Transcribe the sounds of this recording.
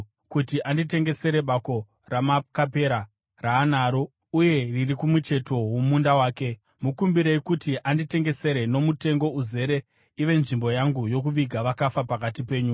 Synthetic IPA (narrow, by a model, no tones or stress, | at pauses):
kutiʔandite̞ŋɡe̞se̞ɾe̞ɓako̞ | ramakape̞ɾa | raːnaːɾo̞ | uje̞ririkumut͡ʃe̞to̞womundawaːke̞ | mukumbiɾeikutiʔandite̞ŋɡe̞se̞ɾe̞no̞mute̞ŋɡo̞uze̞ɾe̞ | iʋe̞nʐimbo̞jaŋɡujo̞kuʋiɡʱaʋakafapakatipe̞ːɲu